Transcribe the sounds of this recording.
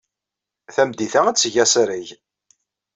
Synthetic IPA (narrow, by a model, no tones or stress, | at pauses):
θæmd̪iθææt͡sːʝæsɾiʝ